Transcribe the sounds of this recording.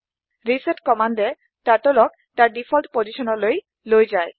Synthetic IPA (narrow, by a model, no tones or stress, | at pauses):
ɾiseʈkɔmaɳɖe | taʈolɔk̚ | taɾɖifʰɔlʈpod͡ʑiʃonoloj | lojd͡ʑae